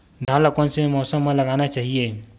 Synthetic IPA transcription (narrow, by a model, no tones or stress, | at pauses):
d̪ʱãləkõnsemɔːsəmːẽlɐɡaːnat͡ʃaːɦie